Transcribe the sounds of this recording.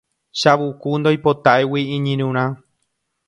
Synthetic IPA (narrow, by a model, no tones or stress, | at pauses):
ʃaʋukund̪ojpo̞t̪aewiĩɲĩɾũɾ̃ã